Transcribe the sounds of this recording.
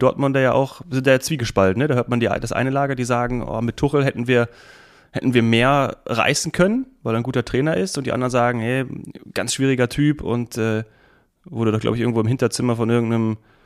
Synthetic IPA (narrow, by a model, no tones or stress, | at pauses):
d̥ɔɐtmʊndɐjaːʔa̰ʊxzɪntd̥aːjat͡sv̥iːɡəʃpaltn̩nədaːhøːɐtmandḭdasʔa̰ɪnəlaːɡɐdiːzaːɡŋ̩ʔɔ̰ːmɪtʰːʊχl̩ɦɛtn̩viːɐ | hɛ̰tn̩viːɐmeːɐʁa̰ɪsn̩kʰœnənvaɪlɛaɪnɡuːtɐtʁ̥ɛːnɐʔɪstʊnt̚diʔandɐnzaːɡŋ̩hɛɡ̥a̰nsʃv̥iːʁ̞ɪɡɐtʰyːpʰʊ̰ntʔɛː | voːdudɔχɡla̰ʊbç̬ʔɪɐŋ̩voːɪmhɪntɐt͡sɪmɐfɔnʔɪɐɡŋ̩tnəm